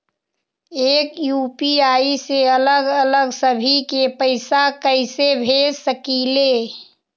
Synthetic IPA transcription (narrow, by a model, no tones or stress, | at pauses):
eːkjuːpiaːiseələɡələɡsəbʱikepəɪsakəɪsebʱesəkiːle